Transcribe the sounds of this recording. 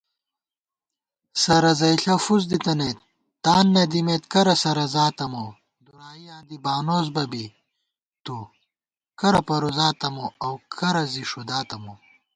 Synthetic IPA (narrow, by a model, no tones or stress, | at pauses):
sɐɾɐzɐjɬɐfuzd̪it̪ɐneːt̪ː | aːnːed̪imeːt̪kɐɾɐsɐɾɐzaːt̪ɐmo | d̪uɾaːijãːd̪ibaːnoːzbɐbi | t̪u | kɐɾɐpɐɾozaːt̪ɐmoɐwkʰɐɾɐziʂud̪aːt̪ɐmo